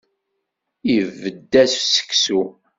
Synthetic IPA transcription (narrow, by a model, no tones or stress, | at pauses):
ivːəd̪ːæssə̥kːsu